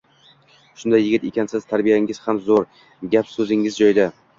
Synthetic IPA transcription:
ʃʊnd̪ajːɪɡʲɪt̪ekʲansɪz̥t̪ʰaɾbijaɪŋɪz̥hamzoɾ | ɡʲapsɵzɪŋɪzd͡ʒɒjd̪a

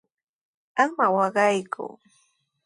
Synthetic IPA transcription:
amawɑɢɑjkʰʊ̰

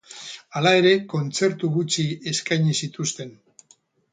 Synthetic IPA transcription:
alae̞ɾe̞ko̞nt͡se̞ɾt̪uɣut͡ʃie̞skajɲisit̪ust̪e̞n

